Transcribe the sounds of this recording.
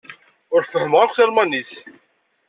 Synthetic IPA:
ʊɾfəhəmʁaqʷθælmɑniθ

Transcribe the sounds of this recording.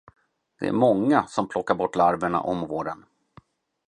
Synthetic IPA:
d̪̥ɛ̰æ̰ɾmɔŋːasɔmpʰlɔkːaɾbɔʈːlaɾvəɳa̰ʔɔmvoːɖən

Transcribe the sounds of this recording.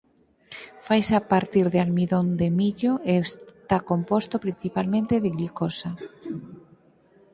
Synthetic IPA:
fajsapaɾt̪iɾðealmiðond̪emiʎoest̪akompost̪opɾin̟θipalmẽnt̪eðeɣlikosa

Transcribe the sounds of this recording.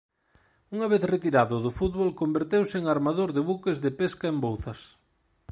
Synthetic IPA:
uŋɐβ̞eθret̪iɾaðʊðʊfut̪βolkombeɾt̪ewsɪeŋaɾmaðoɾðɪβukezðɪpeskaembowθɐs

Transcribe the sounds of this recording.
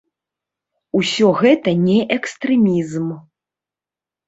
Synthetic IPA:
usʲɔɣɛt̪ɐnʲɛʔɛkst̪ɾɛmʲizm

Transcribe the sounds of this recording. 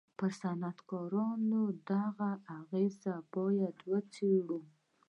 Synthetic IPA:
pəɾsanat̪kɑɾɑnod̪aɣaʔaɣezabɑjad̪wət͡seɽu

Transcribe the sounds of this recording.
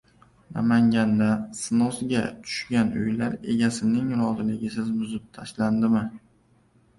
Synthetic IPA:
na̰maŋɡʲand̪asɪnɒsɪɡʲa̰t̪ʰʊ̥ʃɡʲanʊ̰jlaɾe̞ɡʲasɪnɪŋɾɒzɪmlɪɡʲɪsɪzbʊzɪp̚t̪ʰaʃland̪ɪmɪ

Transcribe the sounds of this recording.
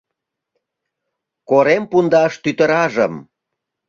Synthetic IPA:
koɾempund̪ɑʃt̪yt̪əɾɑʒəm

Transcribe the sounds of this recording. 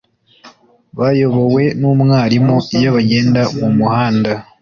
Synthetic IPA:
βajo̞βo̞we̞numŋaːɾimoijaβaɟe̞ːndawumuhaːnda

